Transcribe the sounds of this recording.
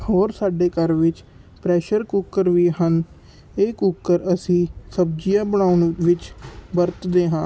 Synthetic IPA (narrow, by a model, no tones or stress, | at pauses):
hoːɾsaːɖeːkəɾʋɪt͡ʃ | pɾɛːʃəɾkuːkːəɾʋiːɦən | eːkukːəɾəsĩːsəb̚d͡ʒijãːbəɳ̃aːʊnʋɪt͡ʃbəɾt̪d̪eːɦãː